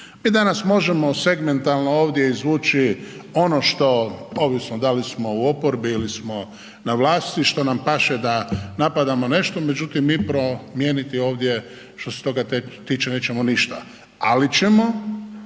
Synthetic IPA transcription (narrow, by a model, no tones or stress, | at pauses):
miːd̪anasmo̞ʒemo̞se̞ɡme̞nt̪alnooːʋd̪je̞izʋuːt͡ʃio̞noʃt̪o̞o̞ʋisnod̪alismo̞uo̞poɾbiilismo̞ | naʋlˠaːst̪iʃt̪o̞nampaʃed̪anapad̪amone̞ʃt̪omed͡ʒut̪imːiːpɾo̞mjeːnit̪io̞ːʋd̪je | ʃt̪o̞se̥t̪o̞ɡat̪t̪iːt͡ʃeneːt͡ʃemoniʃt̪a | alit͡ʃemo̞